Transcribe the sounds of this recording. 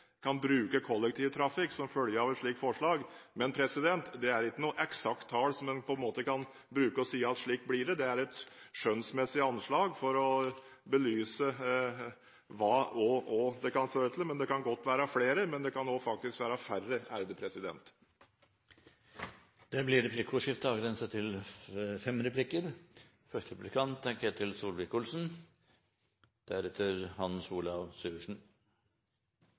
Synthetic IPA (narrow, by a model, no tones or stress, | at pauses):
kʰɑnbɾʉːkəkʰɔlːɛk̚t̪ʰiːʋt̪ʰɾɑfɪksɔmfœljəɾɑʋɛnʂɭiːkfɔʂɭɑːɡmɛnpʰɾɛsɪd̪ɛnt̪d̪ɛæɾɪkːənuːʔɛksɑk̚t̪ʰːɑːlsɔmːɛnpʰɔɛnmoːt̪əkʰɑn | bɾʉːkəɔsiːəɑt̪ʂɭiːkblɪɖɛd̪ɛæɾɛt̪ʂœnsmɛsːɪɑnʂɭɑːɡfɔɾɔbəlyːsə | ʋɑːɔʔɔd̪ɛkɑnføːɾət̪ʰl̩mɛnd̪ɛkʰɑnɡɔt̪ːʋæːɾɑfleːɾəmɛnd̪ɛkʰɑnoːfɑk̚t̪ɪskʋæːɾɑfærəæɾd̪əpʰɾɛsɪd̪ɛ̰nt̪ | d̪̥ɛblɪɾɛpʰlɪkʰʊʂɪft̪əɑːʋɡɾɛnsət̪ʰɪlfɛmɾɛpʰlɪkəɾ | fœʂt̪əɾɛpʉ̥lɪkʰɑnt̪ʰːɛŋkəæt̪ʰɪlsuːlʋɪkʊlsn̩ | d̪̥æɾɛt̪ʰːəɾhɑnsuːlɑʋsʉːʋəʂɳ̩